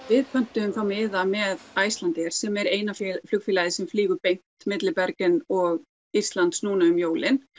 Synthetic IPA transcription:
vɪðpʰœn̥t̪ʏʏmθawmɪːðamɛðajst̪lant̪ɪɾ̥sɛmɛɾeːjnafflʏkfɪːlaðɪsɛmfliːɣʏɾpejn̥t̪mɪt̪lɪpɛɾkɪnɔɣ | ir̥t̪lant̪snuːnaʏmjoːwlɪn

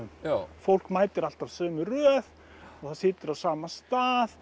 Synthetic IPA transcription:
ʏnfowl̥kmaːjt̪ɪɾal̥t̪avsœːmʏrœːð | aθaðsɪːt̪ʏɾavsaːmast̪aːð

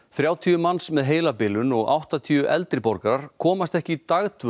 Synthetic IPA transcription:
θɾjaːwt̪ʰiːʏmansmɛðɦeːjlapɪːlʏnɔɣa̰wht̪at̪ʰiːʏʔɛlt̪ɾɪpɔɾkaɾaɾ̥kʰɔːmast̪ɛhcɪt̪aɣt̪ʰvʏ

